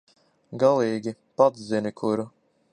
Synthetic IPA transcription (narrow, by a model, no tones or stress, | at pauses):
ɡalˠiːɡʲipad̪zzinʲikʰuɾu